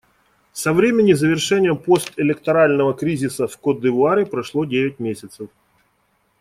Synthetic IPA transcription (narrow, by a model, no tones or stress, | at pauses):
sɐvɾʲemʲɪnʲɪzəvʲɪrʂɛnʲɪjəmpo̞st̪ɪlʲɪkt̪ɐɾalʲnəvəkɾʲizʲɪsəfkod̪ɨvʊaɾʲɪpɾɐʂlˠodʲevʲɪt̚ʲmʲesʲɪt̪səf